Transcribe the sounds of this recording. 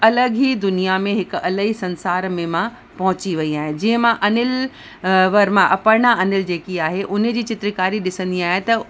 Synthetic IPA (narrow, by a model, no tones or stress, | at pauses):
ɐləɡɦid̪ʊnijamẽɦɪkɐləɦisɐ̃nsaːɾmẽmã | pɐɦʊt͡ɕiʋɐiaːɦɪ̃d͡ʑɐ̃ɦɪ̃mãʔɐnɪl | ʋɐɾmãʔɐpəɾɽ̃aɐnɪld͡ʑeːkiaːɦeʔʊnd͡ʑiːt͡ɕɪt̪ɾɪkaːɾiɗɪsə̃nd̪iaːɦet̪ɐ